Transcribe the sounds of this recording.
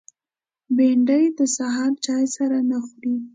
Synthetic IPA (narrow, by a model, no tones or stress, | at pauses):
beɳɖəjed̪əsaɦɑɾt͡ʃɑjsaɾanaxuɾi